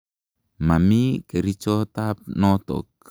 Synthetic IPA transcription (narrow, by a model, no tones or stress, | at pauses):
mamikeɾit͡ʃot̪ap̚nɔt̪ɔ̰k̚